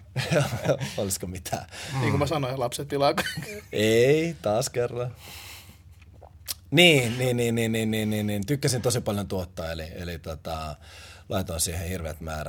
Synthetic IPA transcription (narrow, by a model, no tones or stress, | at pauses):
oliskomit̪ʰæ̰ːniːŋkumæsɑnoilɑpset̪ːilɑkɑikːeit̪ɑːskerːɑ | niːniːnniːnːiːnːiːnːiːnniːnnint̪ykːæsint̪osipɑljont̪uot̪ːɑːelielit̪ot̪ɑlɑit̪onsiːhehirʋḛt̪mæ̰ːɾæ̰